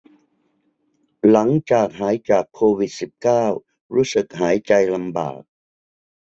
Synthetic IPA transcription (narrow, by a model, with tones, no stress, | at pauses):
la˩˦ŋt͡ɕaː˨˩k̚ɦaː˩˦jt͡ɕaː˨˩kʰːoː˧wi˨˩t̪̚si˨˩p̚kaː˥˩w | ɾuː˦˥sɯ˨˩k̚ɦaː˩˦jt͡ɕa˧jla˧mba̰ː˨˩k̚